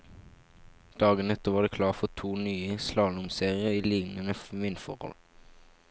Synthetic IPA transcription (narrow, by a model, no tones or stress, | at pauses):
d̪̥ɑːɡənɛt̪əʋɑːd̪eːkʰlɑːʁfɔt̪ʰuːnyːəslɑːnʊmseːʁɪəiːlɪŋnənəʋɪnfɔ̰ʁhɔ̰l